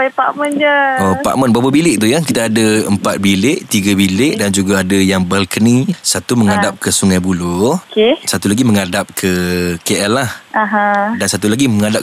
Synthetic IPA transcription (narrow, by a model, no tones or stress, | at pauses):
pajpaʔmənd͡ʒəopa̰ʔmənbawəbilɪʔ̚t̪ujakit̪aːdəəmpat̪̚bilɪʔt̪iɡabilɪʔdand͡ʒuɡaadəjaŋbəlkənĩsat̪uməŋadap̚kəsuŋajbulokesat̪ulaɡiməŋadap̚kʰəkeʔɛlːahaɦãdansat̪ulaɡiməŋadap̚